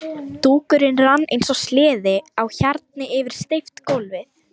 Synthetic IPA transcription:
t̪uːkʏɾɪnranːʔḛjnsɔslɪːðɪawçaɾt̪̚nɪɪvɪɾ̥st̪ejft̪kowlvɪθ

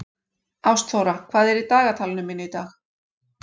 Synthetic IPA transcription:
awst̪θowɾakʰv̥aːðɛɾit̪aːɣat̪ʰalnʏmɪnːit̪aːx

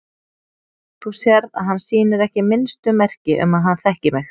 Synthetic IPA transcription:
θusjɛɾða̰ðɦanːsiːnʏɾɛhcɪmɪnst̪ʏmɛr̥cɪʔʏ̰maðɦanθɛhcɪmɪx

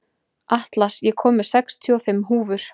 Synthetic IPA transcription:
aht̪lasjɛkʰɔːmʏɾ̥sɛkst̪ʰiɔfɪmːɦuːvʏɾ̥

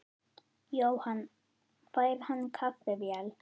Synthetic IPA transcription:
jowhan | fajɾhankʰapvɛvjal

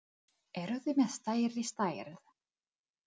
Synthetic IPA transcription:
ɛɾʏðɪmɛðst̪aːjɾist̪aːjɾð

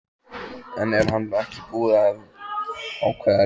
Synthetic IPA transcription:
ɛnɛɾ̥ɦanɛhcɪkuːðað | awkʰvɛː

